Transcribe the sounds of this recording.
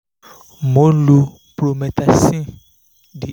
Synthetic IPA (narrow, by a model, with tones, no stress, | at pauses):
mõ˨˦lu˨ | pɾo˨mɛ̃˨t̪a˨sĩ˦ | ɖi˨